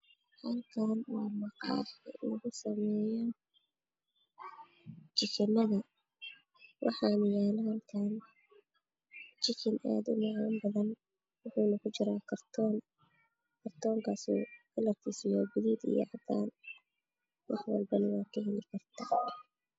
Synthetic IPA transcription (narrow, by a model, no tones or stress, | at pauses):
hɐlkʰaːnwɑːmɑqɑ̰ːħɪlɐɣʊsɐmɛːjɔ | t͡ʃɪt͡ʃɪnːɐðɐ | wʔɑ̰ħɑːnɪjaːnhɐlkʰan | t͡ʃɪt͡ʃɪnʔa̰ːd̪ʊmɑʕambɐðɐn | wʊħuːnɐkʰʊt͡ʃɪɾaːkʰɐrt̪ʰɔːn | kʰɐrt̪ʰɔːŋkʰaːsṵːɡɐlːɐrkʰiːsɪjɔːɡʊðiːd̪ḭjɔ̰ʕɑd̪aːn | wʔɑħwɑ̰lbɐnɪwɑːkʰɐɦɪlɪkʰɐrt̪ʰaː